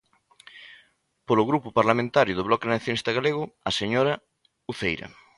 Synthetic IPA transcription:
polʊɣɾupʊpaɾlamẽnt̪aɾjʊðʊβlɔkenaθjonist̪ɐɣaleɣʊaseɲoɾɐ | uθejɾɐ̰

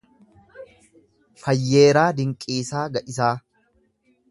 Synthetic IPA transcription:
fɐjːe̞ːɾaːd̪ɪŋkʼiːsaːɡɐʔɪsaː

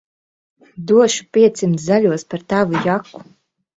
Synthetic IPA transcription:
d̪uɔʃu̥piɛt̪simzaʎʲuɔspaɾt̪avujakːu̥

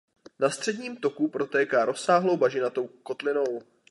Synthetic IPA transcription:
nast̪r̝̥ɛdɲiːmt̪o̞kupɾo̞t̪ɛːkaːɾo̞saːɦlo̞wbaʒɪnat̪o̞wko̞t̪lɪno̞w

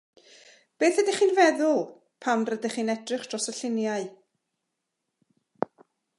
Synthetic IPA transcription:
b̥eːθədɪχiːnvɛðʊlˠ | pʰamrədaχiːnɛdrɪχd̥rɔsəɬɪnjaɨ

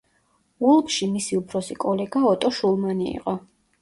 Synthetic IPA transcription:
ulˠkʃimisiupʰɾɔsikʼɔlɛɡaɔt̪ʼɔʃulˠmaniḭqʼɔ

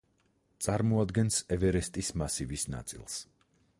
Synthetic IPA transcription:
t̪sʼaɾmɔad̪ɡɛnsɛvɛɾɛst̪ʼismasivisna̰t̪sʼḭlˠs

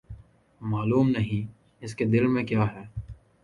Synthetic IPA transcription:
maːluːmnɐɦĩ | ɪsked̪ɪlmẽkjaːɦɛː

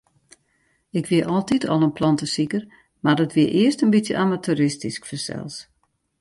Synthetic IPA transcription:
ɪkʋiəʔɔlˠtitʰɔlˠənpʰlɑntəsikər | mardɔtʋiəʔɪəstənbitsjə̰ʔamatʰuɾɪstiskfərsɛ̰lˠs

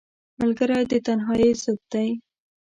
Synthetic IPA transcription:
malɡəɾajd̪ət̪anɦɑjezʊb̚d̪aj

